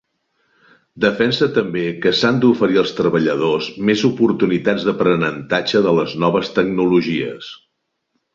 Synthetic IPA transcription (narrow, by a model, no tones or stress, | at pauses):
d̪əfɛnsət̪əmbekəsand̪ufəɾiəlˠst̪ɾəβəʎəð̞ozmezupuɾt̪unit̪ad͡zðəpɾənənt̪ad͡ʒəðələznɔβ̞əst̪əɡ̚nuluʒiə̰s